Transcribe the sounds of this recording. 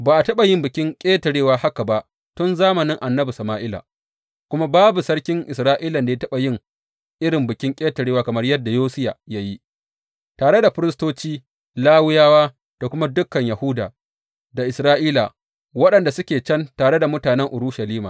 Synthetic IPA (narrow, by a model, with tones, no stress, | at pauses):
baː˨ʔa˨tɐ˦ɓa˨jɪ˦mbɪ˨kʲɪ˦ŋkʲʼeː˦tɐ˨ɽeː˦waː˦ha˦ka˨ba˦ʔ | tʊ˦nzaː˦mɐ˨nɪ˦ŋʔa˨nːɐ˦bu˨sɐ˨maː˦ʔɪ˦la̰˨ | kʷʊ˦ma˦baː˦bu˨sɐ˦ɽkʲɪ˦ŋʔɪ˨sɾaː˦ʔiː˦lɐ˨nda˨ja˦tɐ˦ɓa˨jɪ˦ŋ | ʔɪ˦ɽɪ˨mbɪ˨kʲɪ˦ŋkʲʼeː˦tɐ˨ɽeː˦waː˦kɐ˨mɐ˦rjɐ˦dːa˨joː˦sɪ˦ja̰˨ja˦ji˦ | taː˨ɽe˦da˨ɸɪ˦ɾɪ˦s̬toː˦t͡ʃiː˦ | laː˦wʊ˦jaː˦waː˦ | ta˨kʷʊ˦ma˦dʊ˦kːɐ˨ɲjɐ˨hʊ˦da̰ː˨ | da˨ʔɪ˨sɾaː˦ʔiː˦la˨ | wɐ˦ɗɐ˨nda˨sʊ˦kʲeː˨t͡ʃɐ˦ntaː˨ɽe˦da˨mʊ˦taː˨nɛ˦ŋʔʊ˨ɾuː˦ʃɐ˨liː˦ma̰ː˨